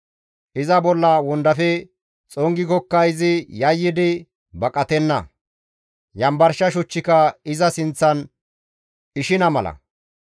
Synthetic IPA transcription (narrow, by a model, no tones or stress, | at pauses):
ʔɪzɐbɔlːɐwɔnd̪ɐfɛ | t͡sʼɔŋɡɪkɔkːɐjzɪjɐjːɪd̪ɪ | bɐkʼɐt̪ɛnːɐ̰ | jɐmbɐɾʃɐʃɔt͡ʃːɪkɐɪzɐsɪnt͡sːɐn | ɪʃɪnɐmɐlɐ̰